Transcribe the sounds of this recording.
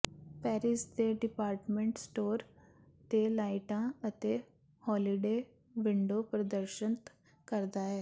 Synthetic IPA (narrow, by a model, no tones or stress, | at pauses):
pɛːɾisd̪eɖɪpaːɾʈmẽɳʈsʈoːɾ | t̪elaːiʈãət̪e | hɔːliɖeː | ʋɪɳɖopɾəd̪əɾʃənt̪ | kəɾd̪aːɦɛː